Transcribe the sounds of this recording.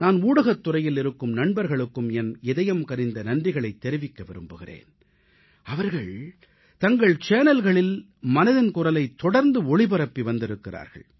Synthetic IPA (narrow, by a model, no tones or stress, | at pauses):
naːnuːɽɐɣɐt̪ːʊrɐjɪlɪɾɯkːɯmnɐɳbɐɾɣɐɭɯkːɯmɛnɛðɐjɐmkɐɾɪnd̪ɐnɐɳdrɪɣɐɭɐɪt̪ːɛɾɪʋɪkːɐʋɪɾɯmbɯɣɪrḛːn | ɐʋɐɾɣɐɭ | t̪ɐŋɡɐɭt͡ʃeːnɐlɣɐɭɪl | mɐnɐðɪnkʊrɐlɐɪt̪ːɔɽɐɾnd̪ɯɔɭɪbɐɾɐpːiʋɐnd̪ɪɾɯkːɪra̰ːɾɣɐ̰ɭ